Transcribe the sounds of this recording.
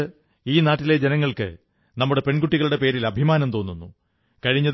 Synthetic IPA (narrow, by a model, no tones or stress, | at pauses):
iːnaːʈːile̞d͡ʑenɐŋːɐɭkɨ̰ | nɐmːuɽe̞pe̞ɳɡuʈːiɣɐɭuɽe̞pe̞ːɾilɐbʱimaːnɐmt̪o̞ːnːunːu | kɐɻiɲːɐð